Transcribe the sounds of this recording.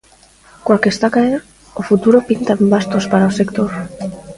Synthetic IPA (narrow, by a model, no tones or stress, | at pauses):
kwakest̪akaeɾ | ofut̪uɾo̞pint̪ambast̪o̞spaɾaose̞kt̪oɾ